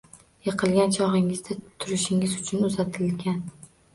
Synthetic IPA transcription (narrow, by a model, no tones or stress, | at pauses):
jɨqʰɨlˠɡʲant͡ʃʰɒʁɪŋɪzd̪at̪ʰʊɾɪʃɪŋɪzʊt͡ʃʰʊnʊzat̪ʰɪlɡʲan